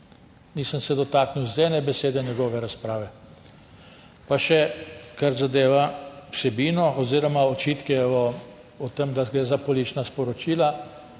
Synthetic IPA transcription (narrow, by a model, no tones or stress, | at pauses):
niːsəmsɛd̪ɔt̪akniwzd̪ɛːnɛbɛseːd̪ɛnjɛɡɔːʋɛɾaspɾaːʋɛ | paʃɛkaɾzad̪eːʋawsɛbiːnɔʔɔziːɾɔmaɔt͡ʃiːt̪kɛɔ | ɔt̪əmd̪aɡɾɛːzapɔliːt͡ʃnaspɔɾɔt͡ʃiːla